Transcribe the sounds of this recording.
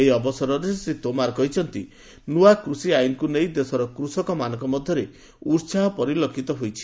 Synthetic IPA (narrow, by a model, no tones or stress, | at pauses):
ejɔbɔsɔɾɔɾesit̪omaɾɔkɔɦit͡ʃʰɔnt̪i | nuakɾusiajnkunejd̪esɔɾɔkɾusɔkɔmanɔŋkɔmɔd̪ʱjɔɾe | uɾt͡ʃaɦɔpɔɾilokʰit̪ɔɦojt͡ʃʰi̥